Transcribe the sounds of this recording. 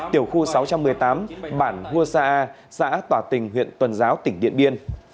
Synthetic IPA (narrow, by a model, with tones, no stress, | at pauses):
t̪i˧˩əwxu˧sa˨˦wt͡ɕa˧mːɨ˨˩əjt̪aː˨˦mɓaː˧˩nhu˧əsaː˧ʔaː˧ | sa̰ː˧˥t̪waː˧˩t̪ï˨˩ŋ̟ɦwḭ˧˨ənt̪wə˨˩nzaː˨˦wt̪ï˧˩ŋ̟ɗḭ˧˨ənɓi˧ən